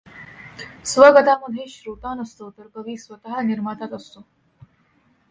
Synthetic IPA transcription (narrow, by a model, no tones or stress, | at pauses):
sʋəɡət̪aməd̪ʱjeɕɾot̪anəst̪ot̪əɾkəʋiːsʋət̪aɦəniɾmat̪at̪əst̪o